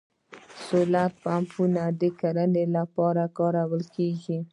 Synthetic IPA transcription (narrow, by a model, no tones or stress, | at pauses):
solapampunad̪əkaɾənelapɑɾakɑɾawəlkeɡi